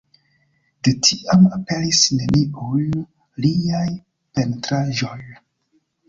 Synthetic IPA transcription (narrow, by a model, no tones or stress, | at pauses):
detʰiʔamape̞lisne̞niʔul | liaj | pe̞ntɾaʒo̞j